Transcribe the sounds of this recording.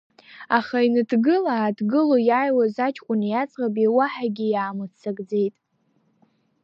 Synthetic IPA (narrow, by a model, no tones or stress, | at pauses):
aχainɨdɡɨlaːdɡɨlojajwazat͡ʃʰʼkʷʼʊnjat͡sʼqʼabiwaħaɡʲijaːmɨt͡sʰaɡd͡ze̞jtʼ